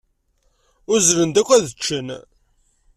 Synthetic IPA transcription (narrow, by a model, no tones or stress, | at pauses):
ʊɾzɾənd̪ækʷːæðət͡ʃːən